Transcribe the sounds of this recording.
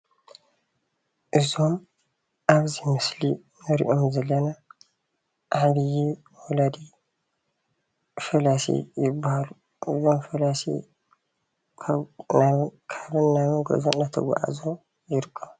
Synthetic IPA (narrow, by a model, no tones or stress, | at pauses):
ʔɨzom | ʔaβzimɨsli | nɨɾḭʔomzɐlːɐna | ʔaħβijɛ | wɔlad̪i | fɐlasḭjɪbːahalu | ʔɨzomfɐlasḭ | kʰnakʰaβɨnːamɨɡo̰zonnat̪ʰɐ̰ɡa̰ʔa̰zo | jɪɾkʼo